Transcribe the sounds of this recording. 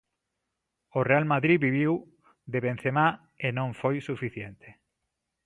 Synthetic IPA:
orealmaðɾiβiβiw | d̪eβẽn̟θema | enõɱfojsufiθjent̪e

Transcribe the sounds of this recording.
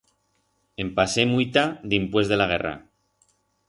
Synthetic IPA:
empasemuit̪ad̪impwe̞zðe̞laɣ̞e̞ra̰

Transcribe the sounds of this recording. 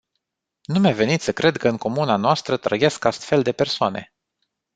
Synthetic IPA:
numeve̞nit̪sʲəkɾʔe̞d̪kəɨŋko̞munanoast̪ɾət̪ɾə̰je̞skast̪fe̞ld̪e̞persoane̞̰

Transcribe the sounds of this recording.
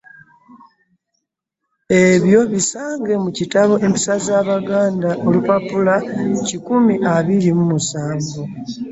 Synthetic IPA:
e̞βjo̞βisaːŋɡe̞mucitaβo̞ʔe̞mpi̥sazaːβaɡaːndaʔo̞lupapulacikumiʔaβiɾimumusaːɱɡo

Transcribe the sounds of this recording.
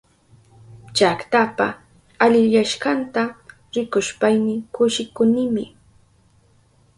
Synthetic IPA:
t͡ʃakt̪apa | aʎɪʎaʃkant̪a | ɾɪkʊʃpajnɪŋkʊʃɪkʊnɪmɪ

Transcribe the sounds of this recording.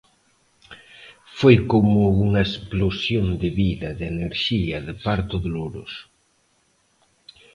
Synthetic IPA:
fojkomʊuŋɐesplosjond̪ɪβiðɐðeneɾʃiɐðɪpaɾt̪ʊðoloɾʊ̰s

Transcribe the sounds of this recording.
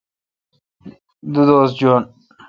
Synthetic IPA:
d̪ud̪oːsd͡ʑon

